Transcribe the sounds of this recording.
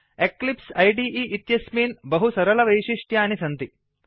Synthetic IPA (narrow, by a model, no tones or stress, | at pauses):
eklipsɐjɖiːʔiːʔit̪jɐsmiːnbɐɦusɐɾɐlɐʋɐjʃiʂʈjaːnisɐnt̪i